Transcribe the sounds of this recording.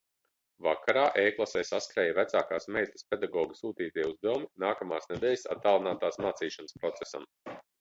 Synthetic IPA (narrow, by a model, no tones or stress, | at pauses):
vakʰaɾaːʔejklˠasɛjsaskɾɛːjvæt̪saːkaːsmɛːt̪ʲi̥spʲed̪aɡɔːɡisuːt̪iːt̪iɛuzd̪ɛwuminaːkamaːsnɛd̪ɛːlʲsa̰t̪ːaːlˠinaːt̪aːsmaːt̪siːʃanəspɾɔt̪se̥sa̰m